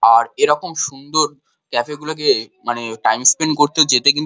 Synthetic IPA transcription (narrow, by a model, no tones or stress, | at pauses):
aɾeɾɔkomʃund̪oɾ | kɛfeɡulak̬emaneʈajmspeɳɖkoɾt̪eod͡ʑet̪ekint̪